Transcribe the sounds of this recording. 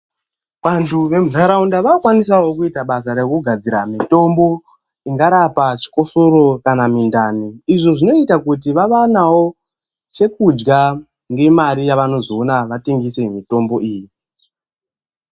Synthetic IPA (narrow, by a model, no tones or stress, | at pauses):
ʋantuʋe̞muzaɾaundaʋaokwanisawo̞kuitaɓas̬aɾe̞kuɡʱad͡ziɾamito̞mbo̞ | iŋɡaɾapat͡ʃi̥ko̞so̞ɾo̞kanamindaniiʐo̞ʐino̞itakut̬iʋaʋanawo̞ | t͡ʃe̞kud͡ʒɡa | ŋɡe̞maɾijaʋano̞zionaʋateŋɡise̞mito̞mbo̞ʔiːji